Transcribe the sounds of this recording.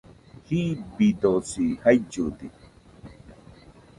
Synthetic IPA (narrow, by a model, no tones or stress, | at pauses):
hibid̪osihajd͡ʒud̪ḭ